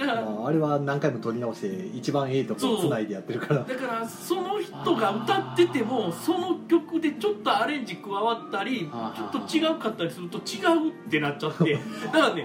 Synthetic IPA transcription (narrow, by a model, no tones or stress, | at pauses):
aːɾe̞βanãŋkaimo̞t̪o̞ɾʲinaoɕi̥t̪e̞it͡ɕibãɰ̃e̞it̪okoonaid̪e̞jat̪ːe̞ɾɯ̟kaɾad̪akaɾaso̞no̞çi̥t̪o̞ɡaɯ̟t̪at̪ːe̞t̪e̞mo̞so̞no̞kʲo̞kɯ̟d̪e̞t͡ɕo̞t̪ːo̞aɾẽ̞ɲ̟d͡ʑikɯ̟βaβat̪ːaɾʲit͡ɕo̞t̪ːo̞t͡ɕiɡaɯ̟kat̪ːaɾʲisɨɾɯ̟t̪o̞t͡ɕiɡaɯ̟t̪ːe̞nat̚t͡ɕːat̪ːe̞d̪akane